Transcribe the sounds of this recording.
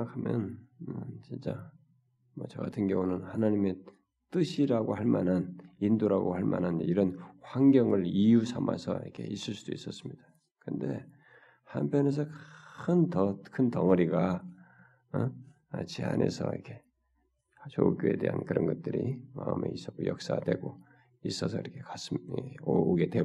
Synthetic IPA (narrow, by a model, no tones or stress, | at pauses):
ŋakʰamjʌ̰n | t͡ɕint͡ɕ͈a | mʌt͡ɕʌɡatʰɯnɡjʌŋunɯnhanaɲime̞ | t͈ɯɕʰiɾaɡohaɭma̰nanindoɾaɡohaɭma̰nɦaniɾʌnhwaŋɡjʌŋɯɭijusʰama̰sʰʌ̰ḭkʰe̞is͈ɯɭs͈ud̥ois͈ʌs͈ɯmɲid̥a | kɯnde̞ | ha̰mpʰjʌne̞s̬ʰʌkɯntʌkʰɯntʌŋʌɾiɡa | t͡ɕea̰nʔe̞̰sʰʌ̰ḭkʰe̞ | t͡ɕouk͈joe̞de̞ɦa̰nkɯɾʌnɡʌt̚t͈ɯɾḭmaɯ̰me̞̰is͈ʌk͈ojʌk̚s͈a̰ɡadwe̞ɡo | is͈ʌsʰʌiɾʌkʰekas͈ɯmoɡe̞dwe